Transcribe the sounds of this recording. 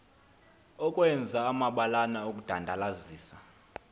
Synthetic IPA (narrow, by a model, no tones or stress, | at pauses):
ɔkʼwɛnd͡zʱaːmaɓalanaok̬ʼud̥ʱandʱalaziːsa